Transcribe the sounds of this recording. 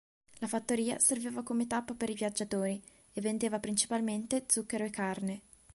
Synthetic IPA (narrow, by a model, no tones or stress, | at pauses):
lafat̪ːoɾiːa̰serveːvakomet̪apːapeɾivjad͡ʒːat̪oːɾi | evːend̪eːvapɾint͡ʃi̥palment̪ed̪zukːeɾoekːarne